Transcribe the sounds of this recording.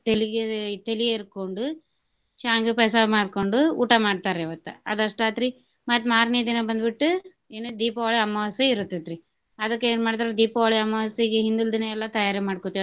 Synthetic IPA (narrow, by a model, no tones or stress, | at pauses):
t̪eliɡet̪eliɡeɾkoɳɖu | t͡ʃaːŋɡupɛːsɐmaːɖkoɳɖuuːʈɐmaːɖ̚t̪aːɾeʋɐt̪ːɐɐd̪ɐʂʈaːt̪ɾi | mɐʈ̪maːɾniːd̪inɐbɐnd̪biʈːu | eːnud̪iːpɐʋaːɭiɐmːɐʋɐseiɾut̪ːet̪ɾi | ɐd̪ɐkːeeːnmaːɖt̪̬aːɾed̪iːpɐʋaːɭiɐmːɐʋsiɡeɦind̪uld̪inɐɛlːɐt̪ɐjaːɾimaːɽkot̪ːi